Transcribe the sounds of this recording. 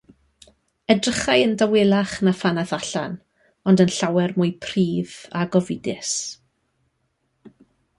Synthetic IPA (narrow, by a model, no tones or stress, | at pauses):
ədrəχajəndawɪlˠaχnafanaθaɬa̰n | ɔndənɬawɛrmʊjpʰriːðaɡɔvɪdɪs